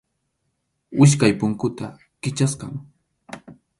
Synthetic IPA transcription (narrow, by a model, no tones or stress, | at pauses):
ɪʃ̬kajpʊŋkʊt̪a | kɪt͡ʃaskɑŋ